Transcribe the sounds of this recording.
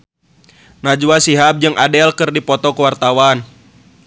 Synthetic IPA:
nad͡ʒuasiɦap̚d͡ʒɨŋʔadɛlkɨrdipɔt̪ɔkəwart̪awan

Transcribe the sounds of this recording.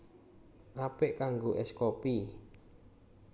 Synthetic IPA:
ʔapɪʔkaŋɡoʔɛskɔpi

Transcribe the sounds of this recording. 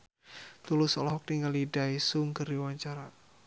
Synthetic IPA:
t̪ulʊsɔlɔɦɔk̚niŋalidaisuŋkəriwaɲt͡ʃaɾa

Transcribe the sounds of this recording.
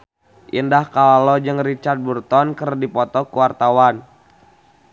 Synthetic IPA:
ʔindahkalalɔd͡ʒɨŋrit͡ʃard̪̚burt̪ɔnkərdipɔt̪ɔkuwart̪awan

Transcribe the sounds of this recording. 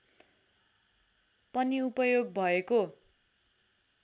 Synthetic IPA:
pʌniupʌjoɡ̚bʱʌeko

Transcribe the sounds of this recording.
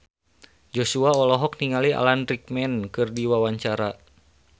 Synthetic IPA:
d͡ʒosuaɔlɔɦɔk̚niŋalia̰lanɾik̚mɛnkɨrdiwawaɲt͡ʃaɾa

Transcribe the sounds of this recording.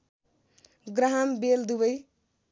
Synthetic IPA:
ɡɾaɦambeld̪ubʌj

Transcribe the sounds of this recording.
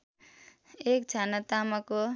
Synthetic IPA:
ek̚t͡ʃʰanat̪amako

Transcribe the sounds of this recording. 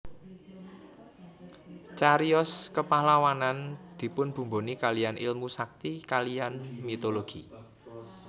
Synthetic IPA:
t͡ʃaɾiɔskəpahlawanand̪̥i̤pʊnb̥ṳmbo̤nikalijanʔḭlmusak̚t̪ikalijanmit̪oloɡ̥i

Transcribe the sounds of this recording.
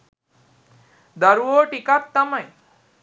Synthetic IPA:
d̪ʱəɾoʈikat̪ːəmãj

